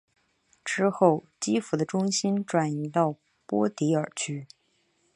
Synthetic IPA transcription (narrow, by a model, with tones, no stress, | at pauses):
ʈ͡ʂɻ̩˥xo˥˩ʊ | t͡ɕi˥fu˧˥d̪ə˧ʈ͡ʂʊ˥ŋɕi˥nʈ͡ʂwa˨˩ni˧˥t̪ɑ˥˩ʊ | pwɔ˥t̪i˧˥ə˞˨˩t͡ɕʰy˥